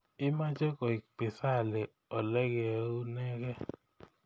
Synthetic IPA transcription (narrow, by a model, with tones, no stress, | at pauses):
ɪ˦ma˦d͡ʒe˦kɔ˨i˨k͡pɪ˨sa˦˨le˨ | ɔ˨lɛ˦ɡu˦nɛ˦ɡɛ˦